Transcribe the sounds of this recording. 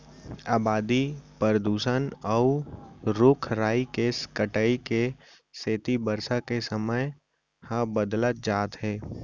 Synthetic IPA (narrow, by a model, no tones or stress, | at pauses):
aːbaːd̪ipəɾəd̪uːʃənɔʊɾʊkʰɾaːikeskəʈəike | seːt̪ibəɾsakesəməj | hãbəd̪lət̪̚d͡ʒaːt̪ɦɛː